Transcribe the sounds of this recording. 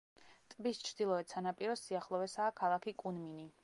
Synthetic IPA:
t̪ʼbist͡ʃʰɾd̪ilˠɔɛt̪sʰanapʼiɾɔsiaχlˠɔvɛsaːkʰalˠakʰikʼunmini

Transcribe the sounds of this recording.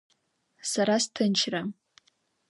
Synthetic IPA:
saɾastʰɨnt͡ʃʰra

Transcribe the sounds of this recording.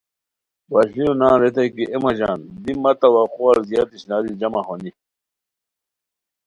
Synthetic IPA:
baɕlinunãːɾet̪ɐkiʔemɐd͡ʑa̰ːnd̪imɐt̪ɐwaxoaɾzjaːt̪iɕnaːd̪id͡ʑɐmaɦoni

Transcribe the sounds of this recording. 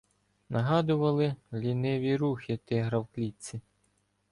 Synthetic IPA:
nɐɦɑd̪ʊʋɐlˠɪlʲinɪʋʲiɾuxʲɪt̪ɪɦɾɐwklʲit͡sʲi

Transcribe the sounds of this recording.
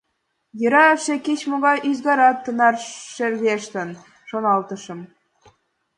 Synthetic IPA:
jə̆ɾɑefʃeket͡ɕmoɣɑjʔyzɣɑɾɑt̪ːə̆nɑrʃerɣeʃt̪ə̆n | ʃonɑlt̪ə̆ʃɤ̆m

